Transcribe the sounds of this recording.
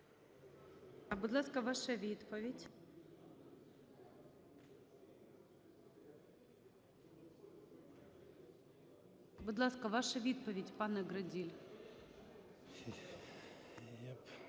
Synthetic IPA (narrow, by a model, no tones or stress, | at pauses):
ɐbʊd̪lˠaskɐʋaʂɐʋʲit̪pɐvʲɪtʲ | bʊd̪lˠaskɐʋaʂɐʋʲit̪̚pəvʲedʲpanɐɡɾɐdʲilʲ | jap